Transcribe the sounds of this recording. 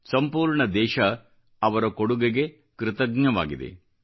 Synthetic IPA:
sɐmpuːɾɳɐd̪ɛːʃɐ | ɐʋɐɾɐkoɽuɡeɡe̞ | kɾɪt̪ɐɡɲɐʋa̰ːɡid̪ḛ

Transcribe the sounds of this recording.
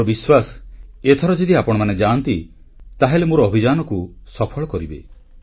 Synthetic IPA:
ɔbiswaset̪ʰɔɾɔd͡ʒed̪iapɔɽ̃ɔmaned͡ʒant̪i | t̪aɦelemoɾɔːbʱid͡ʒanɔkusɔpʰɔɭɔkɔɾibḛ

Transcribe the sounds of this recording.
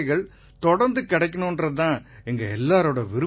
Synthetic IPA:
ɣɐɭ | t̪ɔɽɐɾnd̪ɯkɪɽɐɪkːɐnondrɐt̪ːãːɛŋɡɐɛlːaːɾoːɽɐʋɪɾɯ

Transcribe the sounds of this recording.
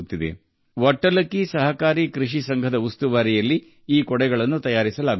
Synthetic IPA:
t̪ːid̪ḛ | ʋɐʈːɐlɐkːisɐɦɐkaːɾikɾiʂisɐŋɡʱɐd̪ɐust̪uʋaːɾijɐlːiː | kɔɽɛɡɐɭɐnːut̪ɐjaːɾisɐlaːɡ

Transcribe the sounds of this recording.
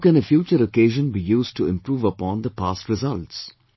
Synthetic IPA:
kɛ̃nəfjuːt͡ʃəɾokeːʒə̃nbijuːz̚ʈʰuɪ̃mpɾuːʋəpɔ̃ːnd̪əpaːsʈɾɪzʌlʈs

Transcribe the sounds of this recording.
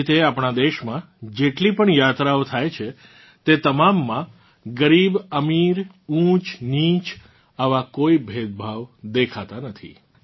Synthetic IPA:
t̪eapɳad̪eʃmã | d͡ʒeʈlipəɳjat̪ɾaot̪ʰajt͡ʃʰe | t̪et̪əmamːã | ɡəɾibəmiɾ | ũt͡ʃnĩt͡ʃ | aʋakoibʱed̪̚bʱaʋd̪ekʰat̪anət̪ʰḭ

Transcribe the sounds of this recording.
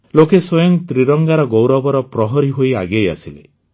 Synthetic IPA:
lokeswɔjɔŋt̪ɾiɾɔŋɡaɾɔɡowɾɔbɔɾɔpɾɔɦɔɾiɦojaɡeja̰silḛ

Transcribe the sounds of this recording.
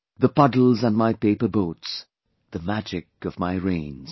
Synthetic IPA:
ðəpʌdl̩ˠzə̃nmaɪpeɪpə˞boʊts | ðɨmæd͡ʒɪkʌvmaɪɹẽɪ̃nz̥

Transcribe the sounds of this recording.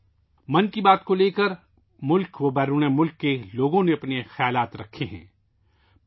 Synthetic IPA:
mɐnkibaːt̪koleːkəɾ | mʊlkʋobɛːɾuːnemʊlkːeloːɡõnẽɐpnexjaːlaːt̪ɾɐkʰeɦɛ̰̃ː

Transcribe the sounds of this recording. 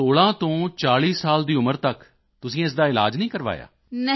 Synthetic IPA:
oːɭãːt̪õːt͡ʃaːɭiːsːaːld̪iːʊməɾt̪ək | t̪ʊsĩːɪs̬d̪aːɪla̰ːd͡ʒnĩːkəɾʋa̰ːja̰ː | n

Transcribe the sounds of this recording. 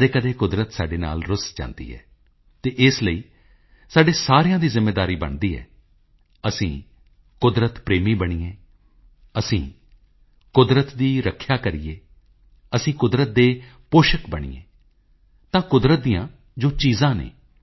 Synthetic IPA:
d̪eːkəd̪eːkʊd̪ɾət̪saːɖeːna̰ːlɾʊsd͡ʒã̰ːnd̪ḭːɦɛ̰ː | t̪eːʔɪsləiː | saːɖeːsaːɾijãːd̪iːzɪmːeːd̪aːɾiːbə̰ɳd̪iːɦɛ̰ː | əsĩː | kʊd̪ɾət̪pɾeːmiːbəɽ̃iːẽː | əsĩː | kʊd̪ɾət̪d̪iːɾəkʰːjaːkəɾiːeː | əsĩːkʊd̪ɾət̪̚d̪eː | poːʃəkbəɳ̃ḭːḛ̃ː | t̪ãːkʊd̪ɾət̪̚d̪ijãː | d͡ʒoːt͡ʃiːzãːnḛː

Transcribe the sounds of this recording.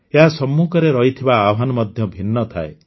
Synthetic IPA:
eɦasɔmːukɔɾeɾɔɦit̪ʰibaːɦanɔmɔd̪ʱjɔbʱinːɔt̪ʰa̰e

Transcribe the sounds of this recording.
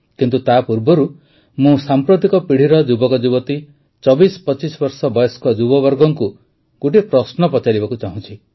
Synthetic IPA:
kint̪ut̪apuɾbɔɾu | mũsampɾot̪ikɔpiɽ̤iɾɔd͡ʒubɔkɔd͡ʒubɔt̪i | t͡ʃɔbispɔt͡ʃisɔbɔɾsɔbɔjɔskɔd͡ʒubɔbɔɾɡɔŋku | ɡoʈipɾɔsnɔpɔt͡ʃaɾibakut͡ʃaɦũt͡ʃʰi

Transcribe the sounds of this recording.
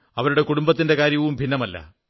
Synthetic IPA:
ɐʋɐɾuɽe̞kuɽumbɐt̪ːinde̞kaːɾjɐʋumbʱinːɐmɐlːɐ̰

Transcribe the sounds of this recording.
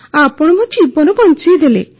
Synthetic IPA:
apɔɽ̃ɔmut͡ʃʰibɔnɔbɔnt͡ʃid̪elḛ

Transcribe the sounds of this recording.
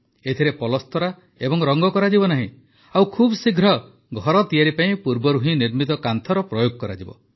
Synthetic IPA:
et̪ʰiɾepɔlɔst̪ɔɾa | ebɔŋɾɔŋɡɔkɔɾad͡ʒibɔnaɦĩ | awkʰubsiɡʱɾɔ | ɡʱɔɾɔt̪ijaɾipaĩpuɾbɔɾuɦĩniɾmit̪ɔkant̪ʰɔɾɔpɾɔjoɡ̚kɔɾa̰d͡ʒibɔ̰

